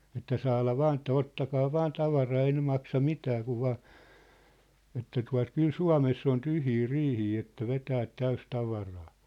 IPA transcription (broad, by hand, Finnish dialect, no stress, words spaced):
etːæ sɑːlɑ ʋɑːn ĕtːæ otːɑkɑː ʋɑːn tɑʋɑrɑː ei ne mɑksɑ mitæː kuʋ ʋɑː etːæ tuɑ̝t kyl suɑ̝mesː on tyhjiː riːhiː etːæ ʋetæːt tæys tɑʋɑrɑː